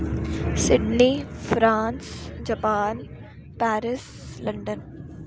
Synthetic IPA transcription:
sɪɖnifɾaːnsd͡ʒɐpaːn | pɛːɾɪs | lɐ̃ɳɖən

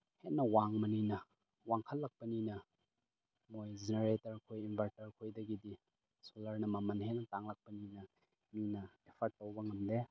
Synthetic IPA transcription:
henːɐwaŋmɐninɐ | waŋkʰɐlːɐk̚pɐninɐ | mojzeneɾetɐɾkʰojinbʰʱɐɾtɐɾkʰojdɐɡidi | solɐɾnɐmɐmɐnɦenːɐtaŋlɐk̚pɐninɐ | minɐepʰɐɾk̚tːowbɐŋɐmde

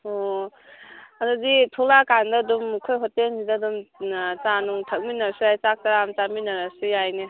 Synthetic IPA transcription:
ɔ | aduditʰolakandɐdumkʰojɦɔtensidɐdumt͡ʃanuŋtʰɐk̚minɐɾsiɾajt͡ʃak̚taɾamt͡ʃaminɐɾasijajne

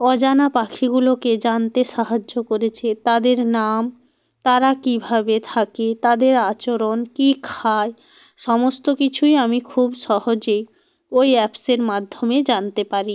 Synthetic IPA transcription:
ɔd͡ʑanapakʰiɡuloked͡ʑant̪eʃaɦad͡ʑːokoɾet͡ɕʰet̪ad̪eɾnam | t̪aɾakibʱabet̪ʰaket̪ad̪eɾat͡ɕoɾonkikʰae | ʃɔmost̪okit͡ɕʰujamikʰubʃɔhod͡ʑe | ojɛpseɾmad̪ʱːomed͡ʑant̪epaɾi

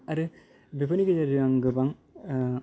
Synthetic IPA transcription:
aɾɯ | bepʰɯniɡed͡ʒaɾɯaŋɡɯbaŋ

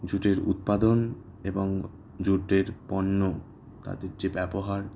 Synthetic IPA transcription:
d͡ʑuʈeɾṵt̪̚pad̪on | eboŋ | d͡ʑuʈeɾpɔnːo | t̪a̰d̪eɾd͡ʑebɛboɦaɾ

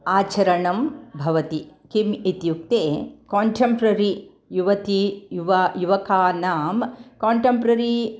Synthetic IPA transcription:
aːt͡ʃɐɾɐɳɐmbʱɐʋɐt̪ikimit̪juk̚t̪eːkoːɳʈʰempɾɐɾi | juʋɐt̪ijuʋɐjuʋɐkaːnaːmkaːɳʈempɾɐɾi

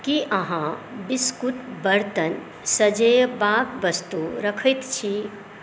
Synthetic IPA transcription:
kiʔɐɦãbiskuʈbəɾt̪ən | sɐd͡ʒejbaːpʋəst̪uɾɐkʰəjt̪t͡ʃʰi

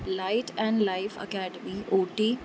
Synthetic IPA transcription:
laɪʈʰɛ̃ɳɖlaɪfə̰kɛːɖəmiʔoːʈe

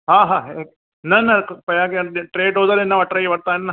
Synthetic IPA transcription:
ɦãːɦaːɦe | nɐnɐpɐjaːkeʈɾeːɖɦoːd̪aːɾenːaʋɐʈɾeːjʋɐɽt̪aːnːɐ

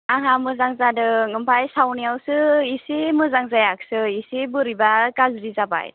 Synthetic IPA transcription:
aɦãmɯzaŋzadɯŋɯmpʰajsawnijawsɯisemɯzaŋzajaksɯisebɯɾibakazɾizaba̰j

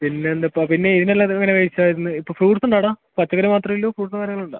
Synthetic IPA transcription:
pinːe̞nd̪ɐpːɐpinːe̞iðinelːaːt̪ːɐŋːɐnekɐjit͡ɕːaːjiɾunːɨipːoːfruːʈsuɳɖaːɽaːpɐt͡ɕːɐkɐɾimaːt̪rɐmilːoːfruːʈsɨkaːɾɐŋːɐɭuɳɖa̰ː

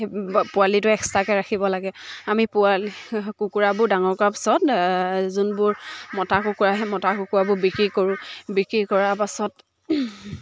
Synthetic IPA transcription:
pʊalitʊɛkstakɛɹaxʰibɔlaɡɛamipʊalikukuɹabʊɹdaŋɔɹkɔɹapḁsɔtzunbʊɹmɔtakukuɹaɦɛmɔtakukuɹabʊɹbikɹikoɹʊ̃bikɹikɔɹapasɔt

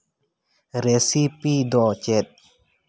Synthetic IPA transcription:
ɾesipid̪ɔt͡ɕet̪̚

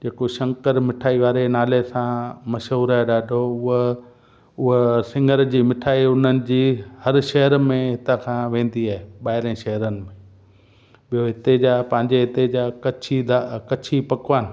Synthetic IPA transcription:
d͡ʑeːkoʃɐ̃ŋkəɾmɪʈʰaːiʋaːɾenaːlesãmɐʃɦuːɾaːɦeɗaːɖʱoʊɦ | ʊɦsɪ̃ŋɡʱəɾd͡ʑiːmɪʈʰaːiʊn̤ənɪ̆d͡ʑiːhɐɾʃɐɦəɾmẽɦɪt̪əkʰãːʋẽːnd̪iaːɦeɓaːɦɪɾə̃ʃɐɦəɾənɪ̆mẽ | ɓijoɦɪt̪ed͡ʑaːpɐ̃ɦɪ̃ɲd͡ʑeɦɪt̪ed͡ʑaːkɐt͡ɕʰid̪akɐt͡ɕʰipɐkʋaːnɪ̆

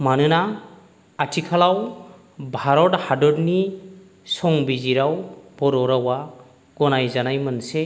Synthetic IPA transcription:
manɯna | atʰikʰalaw | bʱaɾɔthadɔdni | sɔŋbiziɾawb̥ɔɾɔɾawa | ɡɔnajzanajmɯnse

